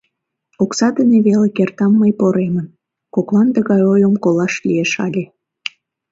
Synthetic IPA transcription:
oksɑd̪əneβelekert̪ɑmːəjpoɾemən | koklɑnd̪əɣɑjojomkolɑʃlʲijeʃɑlʲe

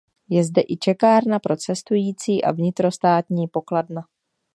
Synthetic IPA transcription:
jɛzdɛʔɪt͡ʃɛkaːɾnapɾo̞t͡sɛst̪ujiːt͡siːʔa̰vɲɪt̪ɾo̞st̪aːt̪ɲiːpo̞kladna

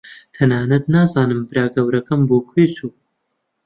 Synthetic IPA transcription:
t̪ʰɐnaːnɐd̪naːzaːnɨmbɨɾaːɡɐwɾɐkɐmboːkʰijt͡sʰuː

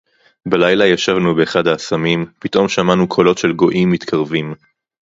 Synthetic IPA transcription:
belajlajaʃavnubeːχadaːsamimpitʔo̞mʃamanukʰo̞lo̞tʃe̞lɡo̞ʔimːit̪kʰaʁvim

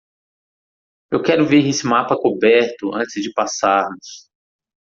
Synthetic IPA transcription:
ewkɛɾʊveɾesɪmapɐkobɛɾt̪ʊʔɐ̰̃t͡ʃɪzd͡ʒɪpasaɾnʊs

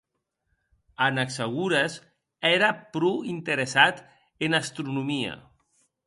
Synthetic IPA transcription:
anakseɣuɾes | ɛɾapɾuint̪eɾesat̪ | enast̪ɾunumia̰

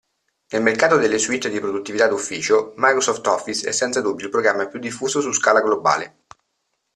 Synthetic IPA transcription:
nelmerkaːt̪od̪elːeswit̪ːd̪ipɾod̪ut̪ːivit̪ad̪ufːiːt͡ʃomajkɾosɔft̪ɔfːisɛ̰sːɛnt̪sad̪ubːjoilpɾoɡɾamːapːjud̪ːifːuːzosuskaːlaɡloba̰ːle

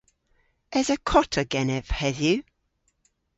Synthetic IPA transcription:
ɛzəkʰɔtʰəɡɛnɛv̥hɛðjʉ

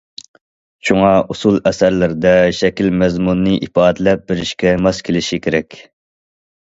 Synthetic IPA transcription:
ʃuŋɑusulˠɛsæɾlɪɾɪd̪ɛʃɛkʲilmɛzmunːɨʔipɑːd̪ɪlɛp̚bɪɾɪʃkʲɛmɛskʲʰelɪʃikʲʰeɾɛkʲ

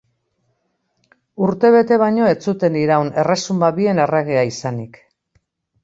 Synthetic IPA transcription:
uɾt̪e̞β̞e̞t̪e̞β̞ajɲo̞e̞t͡sut̪e̞nd̪iɾawne̞re̞sumbaβie̞ne̞reɣ̞eaisanik

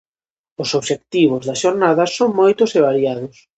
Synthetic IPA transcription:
ʊsoβʃekt̪iβ̞ʊzðɐsʃoɾnaðɐsoŋmojt̪ʊseβ̞aɾijaðʊs

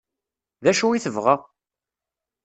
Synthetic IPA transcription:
ðæʃuiθəvʁæ

